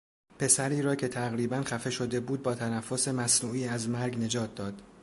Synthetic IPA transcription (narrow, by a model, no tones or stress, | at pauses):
pʰe̞sæɾiːɾɒːcʰe̞t̪ʰæɣɾiːbænxæfe̞ʃo̞d̪e̞buːd̪̚bɒːt̪ʰænæfːo̞se̞mæsnuːiːæzmæɾɡne̞d͡ʒɒːt̪̚ʰd̪ɒːd̪̥